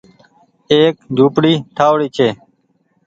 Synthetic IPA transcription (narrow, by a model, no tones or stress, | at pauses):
eːk̚d͡ʒʱuːpɽiːʈʰaːʋɽiːt͡ʃʰeː